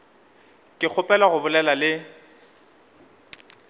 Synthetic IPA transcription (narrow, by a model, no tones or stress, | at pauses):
kʼɪk͡xʰʊpʼɛlaɣʊbʊlɛlalɪ